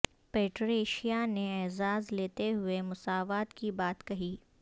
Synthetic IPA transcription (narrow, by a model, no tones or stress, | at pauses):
peːʈɾeːʃijaneɛːzaːzleːt̪eɦʊemʊsaːʋaːt̪kibaːt̪kɐɦiː